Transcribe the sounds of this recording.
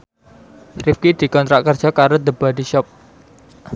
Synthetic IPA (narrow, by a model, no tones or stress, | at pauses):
rifkid̪̥i̤kɔnt̪ɾaʔ̚kərd̥ʒ̥a̤kaɾod̪əbadiʃɔp̚